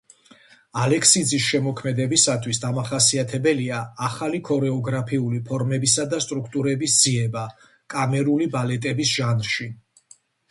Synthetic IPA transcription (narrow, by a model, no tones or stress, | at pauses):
alɛkʰsid̪zisʃɛmɔkʰmɛd̪ɛbisat̪ʰwisd̪amaχasiat̪ʰɛbɛliaːχalikʰɔɾɛɔɡɾapʰiulipʰɔɾmɛbisad̪ast̪ʼɾukʰt̪ʼuɾɛbisd̪z̥iɛba | kʼamɛɾulibalɛt̪ʼɛbisʒ̥anɾʃi